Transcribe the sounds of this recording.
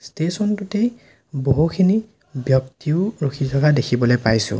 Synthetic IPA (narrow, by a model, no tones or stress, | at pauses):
stesɔntutej | boɦukʰini | bjɔk̚tiʊɹoxʰitʰɔkʰadekʰibɔlojpajsʊ̰̃